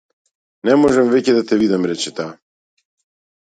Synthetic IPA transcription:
nɛmɔʒɛmvɛcɛd̪at̪ɛvid̪amɾɛt͡ʃɛt̪a

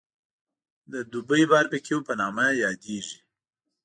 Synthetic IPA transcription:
d̪əd̪ubəjbɑɾpəkʰewpənɑmajɑd̪eʒi

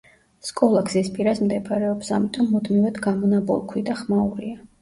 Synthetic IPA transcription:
skʼɔlˠaɡzispʼiɾasmd̪ɛpʰʼaɾɛɔpsamit̪ʼɔmːud̪mivad̪ɡamɔnabɔ̰lˠkʰwid̪aχmauɾia

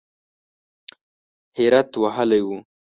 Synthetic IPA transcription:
hɪɾat̪waɦəlajwu

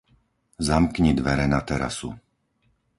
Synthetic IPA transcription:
zamkɲid̪ʋɛɾɛnat̪ɛɾa̰sṵ

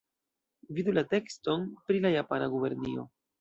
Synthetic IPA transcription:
vidulate̞ksto̞npɾilajapanaɡube̞ɾnio̞̰

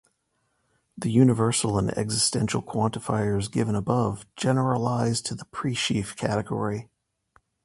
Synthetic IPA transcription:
ðɨjʉnɨvɜ˞sl̩ˠə̃nɛ̰ɡzɨstɛ̃nʃl̩ˠkʰw̥ɑ̃ntəfaɪə˞zɡɪvə̃nəbʌvd͡ʒɛnə˞əlaɪz̥tʰɨðəpʰɹ̥iʃifkʰæɾɨɡɔ̰ɹi

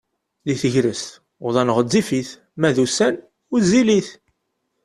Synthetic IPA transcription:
liθəʝɾəst̪ | ðˤɑnəʁəːifiθ | mæðusæn | ʊɾziliθ

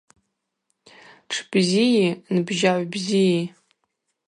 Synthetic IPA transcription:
ʈ͡ʂʰb̥zijinbʒaʕʷbziji

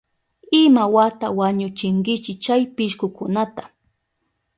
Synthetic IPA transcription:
ɪmawat̪awaɲʊt͡ʃɪŋkɪt͡ʃɪt͡ʃajpɪʃkʊkʊnat̪ḁ

